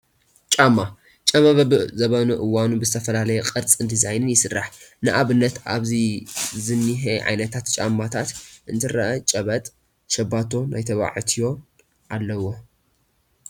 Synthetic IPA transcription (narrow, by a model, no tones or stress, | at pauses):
t͡ʃʼamːa | t͡ʃʼɐmaβɐbɨzɐβɐnuʔɨwanubɨzɨt̪ʰɐfɐlalɐjɛkʼɨɾt͡sʼɨnd̪ʰɨzajnɨnjɪsɨrːa̰ħnɨʔaβɨnːɐt̪ʔa̰βzizɨnːiɦeʕa̰jnɐt̪ʰat̪t͡ʃʼamːat̪ʰat̪ʔɨnt̪ʰɨɾɐʔɐt͡ʃʼɐβɐt̪ʼ | ʃɐbat̪ʰːo̞nʔa̰jt̪ʰɐβa̰ʕɨt̪ʰijo̞ | ʔalːɐwo̞